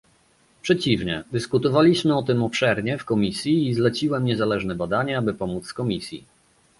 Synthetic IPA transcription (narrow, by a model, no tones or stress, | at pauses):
pʂɛt͡ɕivɲɛd̪ɘskut̪ɔvalʲiɕmɘɔt̪ɘmɔpʂɛɾɲɛfkɔmʲisʲjiːzlɛt͡ɕiwɛmɲɛzalɛʐnɛbad̪aɲɛabɘpɔmut̪skɔmʲisʲjḭ